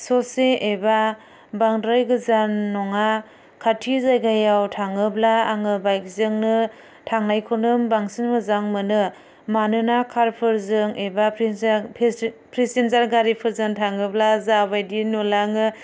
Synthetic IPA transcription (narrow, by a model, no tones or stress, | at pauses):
sɔseʔːba | baŋdɾajɡɯzanːɔŋa | kʰatʰizajɡajawtʰaŋɯblaːŋɯbajk̚zɯŋnɯ | tʰaŋnajkʰonɯmbaŋsinmɯzaŋmɯnɯ | manɯnakʰaɾpʰɯɾzɯŋebappʰpʰɾisenzaɾɡaɾipʰɯɾzɯŋtʰaŋɯblazabajdinulaŋɯ